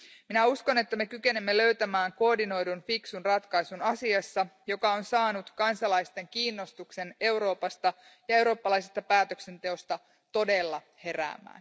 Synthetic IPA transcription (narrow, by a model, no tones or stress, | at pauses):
minæusko̞ne̞t̪ːæme̞kyke̞nemːelø̞ɥt̪æmæːŋko̞ːrdino̞jdunfiksunrɑt̪kɑjsunɑsiɑsːɑjo̞kɑo̞nsɑːnut̪kɑnsɑlɑjst̪e̞ŋkiːnːost̪ukse̞ne̞uwɾo̞ːpɑst̪ɑ | jɑe̞wɾo̞ːpːɑlɑjsest̪ɑpæːt̪økse̞nt̪e̞o̞st̪ɑ | t̪o̞de̞lːɑ | he̞ɾæ̰ːmːˑæ̰ːn